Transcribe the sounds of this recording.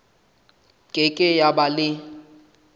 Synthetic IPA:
kʼekʼɪjabalɪ

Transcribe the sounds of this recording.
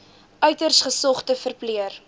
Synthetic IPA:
œɥtərsχəsɔχtəfərpliər

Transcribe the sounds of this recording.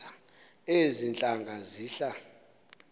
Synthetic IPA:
a | ezint͡ɬʼaŋɡʱaziːɬa

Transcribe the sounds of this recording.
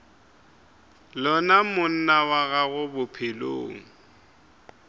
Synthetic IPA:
lɔnamʊn̩nawaɣaɣʊbʊpʰɪlo̰ːŋ̩

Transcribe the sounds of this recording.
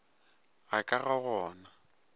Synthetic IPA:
akʼaɣaɣɔːna

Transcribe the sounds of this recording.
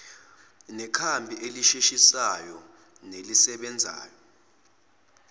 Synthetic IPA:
nɛkʰambʱiʔeliʃiʃisajɔ | nelisɛɓɛnd͡zʱa̰ːjɔ

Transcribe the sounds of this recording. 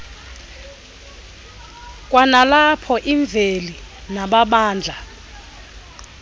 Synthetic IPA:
kʼwanalapʰɔʔiɱb̪vʱeli | naɓaɓaːnd͡ɮʱa

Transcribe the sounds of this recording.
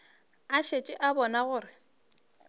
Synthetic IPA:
aʃet͡ʃʼɪʔabɔnaɣʊːrɪ

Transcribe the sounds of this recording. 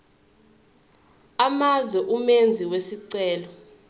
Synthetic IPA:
amazwɛʔumend͡zʱiwesiǀɛːlɔ

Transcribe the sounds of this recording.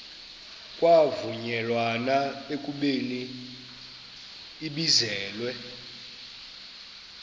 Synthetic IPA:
kʼwavuɲɛlwanaekʼuɓeni | ɓizɛːlwɛ

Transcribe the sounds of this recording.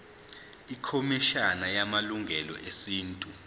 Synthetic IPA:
ikʰomiʃanajamaluŋɡʱɛlɔ̰ʔesiːntʼu

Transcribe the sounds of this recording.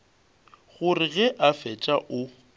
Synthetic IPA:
ɣʊrɪɣɛʔafɛt͡ʃʼaʔʊ

